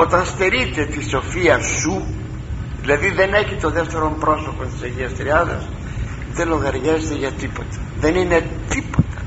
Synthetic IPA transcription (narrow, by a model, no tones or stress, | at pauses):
o̞t̪ɐnst̪e̞ɾit̪e̞t̪iso̞fiɐsu | ðilɐðiðe̞neçit̪o̞ðeft̪eɾo̞mpɾo̞so̞po̞st̪isɐʝiɐst̪ɾiɐðɐ̰s | ðelo̞ɣɐɾʝɐzet̪eʝɐt̪ipo̞t̪ɐ̥ | ðe̞nine̞t̪ipo̞t̪ɐ̥